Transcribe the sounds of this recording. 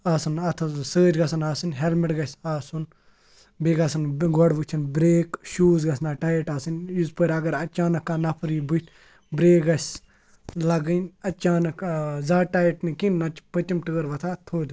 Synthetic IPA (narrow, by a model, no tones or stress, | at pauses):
aːsɐnɐt̪ʰɐsəːd͡ʒɡɐsɐnaːsɨnʲɦelmiʈɡɐsʲaːsun | beːɡɐsɨnɡɔɖʋut͡ʃʰɐnbɾeːkʃuːzɡɐsnaːʈaːjɐʈaːsɨnjuzpəɾʲɐɡɐɾɐt͡ʃaːnɐkːanɐpʰɾiːbuʈʰ | bɾeːkɡɐsʲ | lɐɡɨnʲɐt͡ʃaːnɐkzaːʈaːjɐʈnikinnɐt͡ʃpət̪ʲimʈɨːəɾʋɐt̪ʰat̪ʰoːd̪